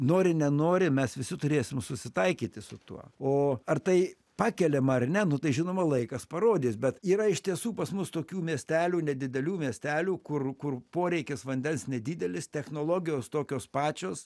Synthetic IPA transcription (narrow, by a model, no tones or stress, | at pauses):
noːɾʲɪnʲɛnoːɾʲɪmʲɛsʋʲɪsʲɪt̪ʊɾʲeːsʲɪmsʊsʲɪt̪ɐɪkʲiːt̪ʲɪsʊt̪uɔoːɐrt̪ɐɪ | pɑːkʲɛlʲemɐɐrnʲɛnʊt̪ɐɪʒʲɪnoːmɐlˠɐɪkɐspɐɾoːd̪ʲiːsbʲɛt̪iːɾɐɪʃt̪ʲiɛsuːpɐsmʊst̪oːkʲuːmʲiɛsʲt̪ʲæːlʲuːnʲɛd̪ʲɪd̪ʲɛlʲuːmʲiɛsʲt̪ʲæːlʲuːkʊrkʊrpoːɾʲɛɪkʲɪsʋɐnʲd̪ʲɛnsnʲɛd̪ʲiːd̪ʲɛlʲɪst̪ʲɛxnoːlˠoːɡʲɪjoːst̪oːkʲoːspɑːt͡ʃʲoːs